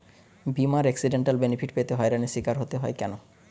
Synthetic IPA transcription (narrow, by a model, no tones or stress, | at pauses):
bimaɾɛksiɖeɳʈalbenipʰfʰiʈpet̪eɦɔeɾanesikaɾɦot̪eɦɔekɛno